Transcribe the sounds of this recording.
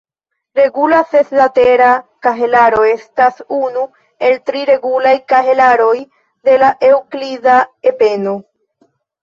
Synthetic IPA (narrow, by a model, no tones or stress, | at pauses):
ɾe̞ɡulase̞slate̞ɾakaɦe̞laɾo̞e̞stasunu | e̞ltɾiɾe̞ɡulajkaɦelaɾo̞j | de̞laʔe̞wklidae̞pe̞no